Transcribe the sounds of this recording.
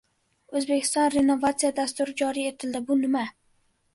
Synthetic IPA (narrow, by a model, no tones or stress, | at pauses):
ɵzbekʲʰɪ̥st̪ɒnɾe̞no̞vat̪sijad̪ast̪ʊɾɪd͡ʒɒɾie̞t̪ʰɪld̪ɪbʊnɪma